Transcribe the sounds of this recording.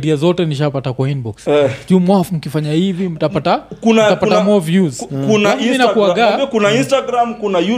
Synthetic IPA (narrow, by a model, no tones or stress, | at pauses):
ɾiazɔtɛniʃapatakwainbɔksʄumwafm̩kifaɲahivim̩tapatakunatapatamɔvjuzkunaminakuaɡakunainstaɡɾamkunaju